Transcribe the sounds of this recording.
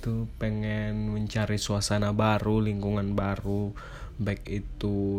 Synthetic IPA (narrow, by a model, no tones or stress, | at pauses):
t̪upɛŋɛnməɲt͡ʃaɾisuasanabaɾuliŋkuŋanbaɾu | baikit̪u